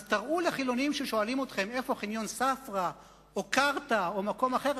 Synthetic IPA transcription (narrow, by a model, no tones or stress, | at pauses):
zt̪aʁʔuleχilo̞nimʃeʃo̞alimot̪χe̞me̞fo̞χinjo̞nsafʁa | ʔokaʁt̪aomako̞maχeʁ